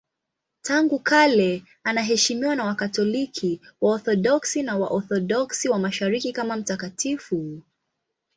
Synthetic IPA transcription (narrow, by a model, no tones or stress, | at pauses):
tʰaŋɡukʰalɛ | anaɦɛʃimiwanawakatɔlikʰiwaɔθɔɗɔksinawa̰ʔɔθɔɗɔksiwamaʃaɾikikamam̩takatʰifu